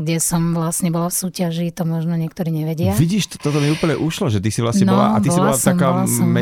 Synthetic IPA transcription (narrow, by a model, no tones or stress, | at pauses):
ɡɟɛsɔmʋlasɲɛbɔlafsuːcaʒit̪ɔmɔʒnɔɲɪɛk̚t̪ɔɾiːɲɛʋɛɟɪaviɟiːʃt̪t̪ɔt̪ɔmiuːpl̩ɲɛʔuʃlɔʒɛt̪isivlasɲɛnbɔla̰at̪isiɔlat̪amkaːamɛ